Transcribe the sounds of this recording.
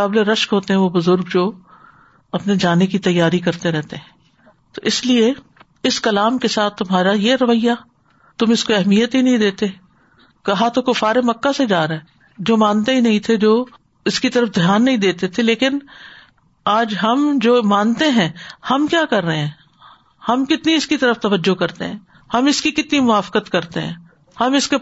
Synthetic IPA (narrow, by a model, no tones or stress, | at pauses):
aːbleɾɐʃkɦoːt̪eɦɛ̃ʋobʊzʊɾɡd͡ʒoː | ɐpned͡ʒaːnekit̪ɐjːaːɾikɐɾt̪eɾɛɦt̪eɦɛ̃ː | t̪oʔɪslie | ɪskɐlaːmkesaːt̪ʰːʊmɦaːɾajeɾɐʋəɪja | t̪ʊmɪskoɛɦmijət̪ɦinɐɦĩd̪eːt̪e | kɐɦat̪okofaːɾemɐkːased͡ʒaːɾaɛ | d͡ʒoːmãːnt̪eɦinɐɦĩt̪ʰed͡ʒoː | ɪskit̪ɐɾəfd̪ʱjaːnːɐɦĩd̪eːt̪et̪ʰeleːkɪn | aːd͡ʒɦɐmd͡ʒoːmãːnt̪eɦɛ̃hɐmkjaːkɐɾːəɦeɦɛ̃ː | hɐmkɪt̪niɪskit̪ɐɾəft̪ɐʋəd͡ʒːokɐɾt̪ḛɦɛ̃ː | hɐmɪskikɪt̪nimʊʋaːfkət̪kɐɾt̪eɦɛ̰̃ː | hɐmɪske